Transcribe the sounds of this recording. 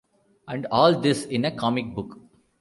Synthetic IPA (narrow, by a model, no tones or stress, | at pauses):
æ̃ɳɖɔːld̪ɪsɪ̃nəkʰɔːmɪk̚bʊk